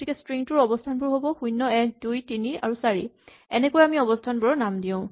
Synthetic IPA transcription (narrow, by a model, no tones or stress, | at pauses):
tikɛstɹiŋtʊɹɔbɔstʰanbʊɹɦobɔxujnːɔɛk̚dujtinia̰ɹusaɹḭ | ɛnɛkojamiɔbɔstʰanbʊɹɔnamdiõʊ̃